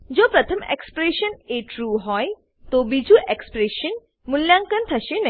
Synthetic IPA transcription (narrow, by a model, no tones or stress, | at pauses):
d͡ʑoːpɾɐt̪ʰəmḛkspɾeʃəneʈɾuːɦɔj | t̪obid͡ʑʱuʔekspɾeʃən | muljãŋkənt̪ʰɐʃenɐ